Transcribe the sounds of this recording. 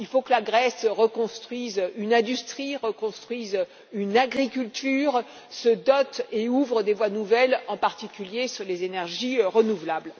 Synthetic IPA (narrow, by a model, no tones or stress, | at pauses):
ilfokəlaɡʁɛsʁəkɔ̃st̪χɥizynɛ̃d̪yst̪χiʁəkɔ̃st̪χɥiz | ynaɡʁikʲylt̪yːʁ | səd̪ɔt̪euvʁəd̪evwanuvɛlɑ̃paʁt̪ikʲyljesyʁlezenɛʁʒiʁənuvlabl